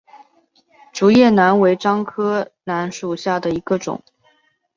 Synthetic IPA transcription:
ʈ͡ʂu˧˥jɛ˥˩na˧˥nwe˧˥ɪʈ͡ʂɑ˥ŋkʰɤ˥na˧˥nʂu˨˩ɕja˥˩d̪ə˩i˧˥ɡə˧ʈ͡ʂʊ̰˨˩˦ŋ

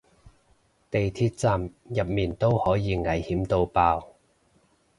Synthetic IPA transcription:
t̪e˨jt̪ʰiː˧t̚t͡saː˨˩mjɐ˨p̚miː˨˩nt̪o˥whɔː˨˥jiː˨˧ŋɐ˨˥jhiː˨˥mt̪o˧wpaː˧w

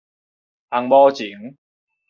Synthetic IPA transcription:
a˧ŋmɔː˦˧t͡ɕi˨˩˦ŋ

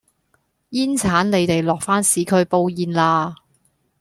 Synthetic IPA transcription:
jiː˥nt͡sʰaː˨˥nle˨˧jt̪e˨jlɔː˨k̚faː˥nsiː˨˥kʰɵ˧ɥpo˧wjiː˨nlaː˧

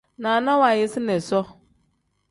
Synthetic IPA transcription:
nã˨nã˦wa˨jɪ˦sɪ˦nɛ̃˨sɔ˦

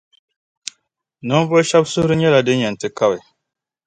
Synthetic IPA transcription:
nɔ˦n˦vɔ˦ʃa˦bsʊ˦hɾɨ˦ɲɛ˦la˨dɨ˦ɲɛ˨n̩˨tɨ˨ka˦bɪ˨

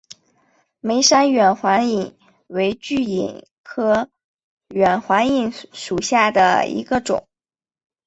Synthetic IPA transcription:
me˧˥ɪʂa˥nɥɛ˨˩nxwa˧˥ni˨˩n | we˧˥ɪt͡ɕy˥˩ḭ˨˩n | kʰɤ˥ | ɥɛ˨˩nxwa˧˥ni˧˥˩nʂu˨˩ɕja˥˩d̪ə̰˩ḭ˧˥ɡə˧ʈ͡ʂʊ̰˨˩˦ŋ

